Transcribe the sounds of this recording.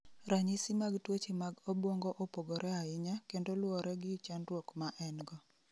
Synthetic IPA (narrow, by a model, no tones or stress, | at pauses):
ɾaɲisimaɡtwot͡ʃimaɡobwoŋɡoʔopoɡɔɾʔɛaɪɲakendolwɔɾɛɡɪt͡ʃanrwokmaʔɛnɡɔ